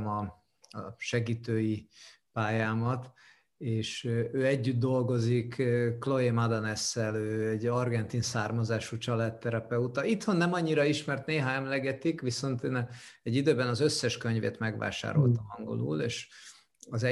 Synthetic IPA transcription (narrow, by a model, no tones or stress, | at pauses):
mɒ | ʃɛɡiːt̪øːji | paːjaːmɒt̪ | eːʃøːɛɟːyd̪d̪o̞lɡo̞zikklo̞emad̪ɒnɛsːɛløːɛɟɒrɡɛnt̪insaːrmɒzaːʃut͡ʃɒlat̪ːɛɾɛpɛut̪ɒit̪ho̞nːɛmɒɲːiɾɒiʃmɛrt̪neːɦaɛmlɛɡɛt̪ikʋiso̞nt̪eːnɛɟːid̪øːbɛnɒzøsːɛʃkø̞ɲvḛːt̪mɛɡʋa̰ːʃa̰ːɾo̞̰lt̪ɒmɦɒŋɡo̰lṵːlḛːʃ | ɒzɛ